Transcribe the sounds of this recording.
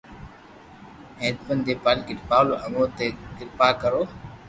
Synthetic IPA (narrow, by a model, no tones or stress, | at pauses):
ẽːt̪pənd̪eːpaːlkɪʈpaːloʔəmoːt̪eːkɪɾpaːkəɾoː